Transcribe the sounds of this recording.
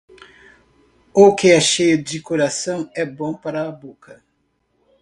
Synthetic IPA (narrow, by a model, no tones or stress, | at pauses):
okɪɛʃejʊd͡ʒɪkoɾasɐ̃w̃ɛbõpaɾɐːbokʰɐ